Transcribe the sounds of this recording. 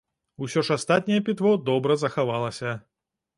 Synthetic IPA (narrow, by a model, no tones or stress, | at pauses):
usʲɔʂast̪at̪̚ʲnʲɛjɛpʲit̪vɔd̪ɔbɾɐzɐxavalˠɐsʲɐ